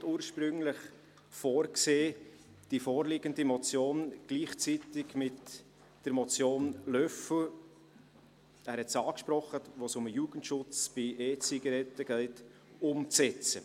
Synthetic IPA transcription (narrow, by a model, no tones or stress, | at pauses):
tuːɾʃpɾʏŋlɪχ | foːɾkseː | d̥ifoːɾlɪɡəndimɔt͡sjoːnɡ̥liːχt͡sit̪ɪɡmɪt | d̥əɾmɔt͡sjoːnlœfl | æːɾhɛtsɑːkʃpɾɔχːəʋosʊmjuːɡ̥ən̩tʃʊt͡sb̥ɪʔeːt͡siɡɐɾɛtːəɡ̥ɛɪt | ʊmt͡sɛt͡sə